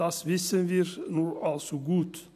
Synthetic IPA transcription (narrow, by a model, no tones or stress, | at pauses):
ɑsʋɪsənʋiːɾnuːʔɑlsɔɡʉːt̪